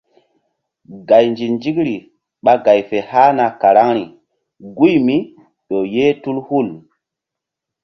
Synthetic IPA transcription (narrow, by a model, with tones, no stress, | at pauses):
ɡa˨jnd͡ʒi˨nd͡ʒi˦kɾi˨ | ɓa˦ɡa˨jfe˨ha˦na˨ka˨ɾa˦ŋɾi˨ | ɡu˦jmi˦ | ɗo˨je˦tu˦lhu˦˨l